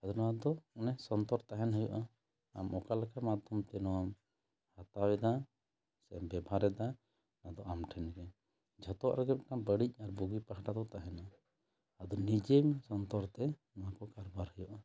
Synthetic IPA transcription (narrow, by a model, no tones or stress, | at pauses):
ad̪ɔnɔwad̪ɔɔnɛsɔnt̪ɔɾt̪aɦɛnɦəjuʔa | a̰mʔɔkalakamad̪ʱɔmt̪ɛnɔwam | hat̪awɛd̪a | sɛmbɛbʱaɾɛd̪a | nad̪ɔʔamʈʰɛnɾɛ | d͡ʒʱɔt̪ɔwa̰ʔɾɛɡɛp̚kabəɽic̚ˀaɾbuɡipaɦaʈad̪ɔt̪aɦɛna | ad̪ɔnid͡ʒemsɔnt̪ɔɾt̪ɛnɔwakɔkaɾbaɾhəjuʔa